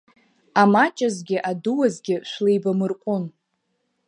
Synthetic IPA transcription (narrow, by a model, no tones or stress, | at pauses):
amat͡ʃʼazɡʲɪʔaduwazɡʲɪʃʷlejbamɨrqʷʼʊn